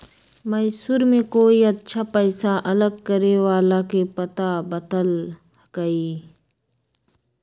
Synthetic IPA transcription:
mɐjsuːɾmẽkoːiɐtːʃʰaːpəɪsaʔɐləɡ̚kəɾewaːlakepɐt̪abət̪əl | ɡ̥əiː

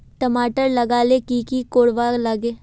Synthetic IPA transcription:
ʈəmaːʈəɾlɐɡaːlekiːkikoːɽʋaːlɐɡeː

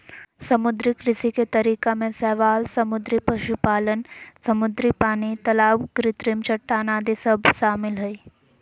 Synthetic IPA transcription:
sɐmʊd̪ɾikɾɪsiket̪ɐɾiːkamẽsɛːʋaːlsɐmʊd̪ɾipɐʃupaːlənsɐmʊd̪ɾipaːnit̪ɐlaːwɡɾɪt̪ɾimt͡ʃɐʈːaːnaːd̪isəbʱʃaːmɪlɦɐi

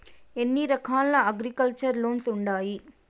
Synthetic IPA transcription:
enːiɾɐkʰaːlːɐɐɡɾikɐlt͡ʃɐɾloːnsuɳɖaːji

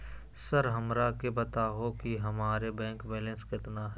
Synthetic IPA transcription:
səɾɦɐmɾakebɐt̪aːɦokiɦɐmaːɾebɛ̃ːŋkbeːlə̃nskɪt̪naɦɛ

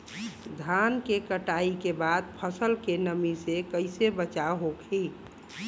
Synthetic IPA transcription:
d̪ʱankekəʈaikebad̪̚pʰəsəlkenəmisekəɪsebət͡ʃaɦokʰi

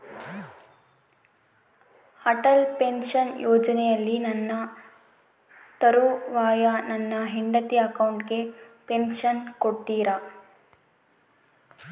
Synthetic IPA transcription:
ɐʈɐlpenʂɐnjɔːd͡ʒɐnɛjɐlːinɐnːɐ | t̪ɐɾuʋaːjɐnɐnːɐɦiɳɖɐt̪iɐkɐwɳʈɡe̞penʃɐnkoɽːiːɾɐ

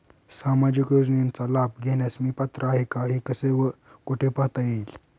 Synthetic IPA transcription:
samad͡ʑikjod͡znint͡salab̚ɡʱenjasmiːpat̪ɾəaɦekaɦikəseʋə | koʈʰepaɦt̪ajiːl

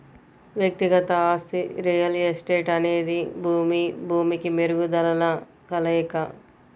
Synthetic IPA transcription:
ʋjɐk̚t̪iɡɐt̪ɐaːst̪iɾijɐlesʈe̞ːʈɐne̞ːd̪ibʱuːmibʱuːmikimeɾuɡud̪ɐlɐlɐ | kɐlɐkɐ

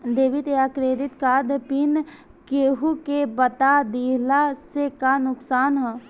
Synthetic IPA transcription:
d̪eːʋɪt̪eakɾeːɾɪt̪kaːd̪pɪn | keːɦukebət̪ad̪iːlasekanʊksaːnɦɛ

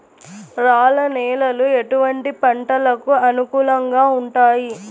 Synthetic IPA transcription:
ɾaːlɐnɛːlɐlueʈuʋɐɳʈipɐɳʈɐlɐkuɐnukuːlɐŋɡaːuɳʈaːji

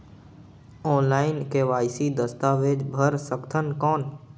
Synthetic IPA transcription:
ɔːnlaːɪnkeʋaːɪsid̪əst̪aʋeːd͡ʒbʱəɾsəkt̪ʰənkɔːn

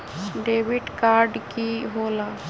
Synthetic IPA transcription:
ɖeːʋɪʈkaːɾɖkiɦoːlaː

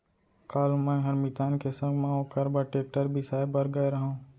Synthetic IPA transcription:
kaːlmɛ̃ːɦɐɾmɪt̪aːnkesə̃ŋɡmãoːkɐɾbəʈeːk̚ʈəɾbʱisaːebəɾɡɐeɾɐɦõː

